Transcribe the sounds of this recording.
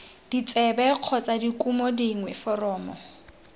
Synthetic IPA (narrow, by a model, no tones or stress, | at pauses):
d̥it͡sʼɛbɛq͡χʰɔt͡sʼadikʼumɔdiŋwɛfɔrɔːmɔ